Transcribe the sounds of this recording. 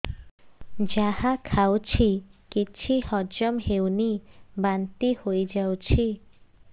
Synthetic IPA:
d͡ʒahakʰawt͡ʃʰikit͡ʃʰihɔd͡ʒɔmɦewnibant̪ihojd͡ʒawt͡ʃʰi

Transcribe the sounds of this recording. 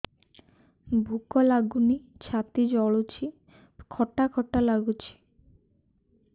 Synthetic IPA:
bʱukɔlaɡunit͡ɕʰat̪id͡ʒɔɭut͡ʃʰi | kʰɔʈakʰɔʈːalaɡut͡ʃʰi̥

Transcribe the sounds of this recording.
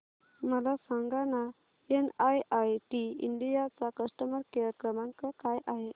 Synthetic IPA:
məlasaŋɡana | enajajʈiḭɳɖijat͡sakəsʈəməɾkaɾəkɾəmãŋkəkajʔaɦe

